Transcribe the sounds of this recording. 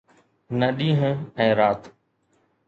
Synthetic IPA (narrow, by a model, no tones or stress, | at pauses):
nəɗĩːɦə̃ɛ̃ːɾaːt̪